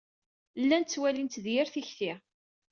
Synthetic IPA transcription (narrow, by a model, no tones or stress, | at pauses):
lːænt͡sːwælint̪ðjɪɾθiçθi